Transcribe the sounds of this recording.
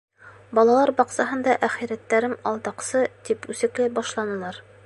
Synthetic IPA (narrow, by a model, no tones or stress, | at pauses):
bɒlˠɑlˠɑɾbɑqsɑɦɤ̆nd̪ɑʔæχiɾæt̪ːæɾɘmɒlˠt̪ɑqsɤt̪ipʉsɘ̆klɘbɒʃlˠɑnɤ̆lˠɑɾ